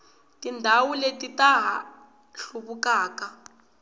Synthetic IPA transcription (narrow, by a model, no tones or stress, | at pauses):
tʼindʱawuletitaɦa̰ | ɬuβukaːka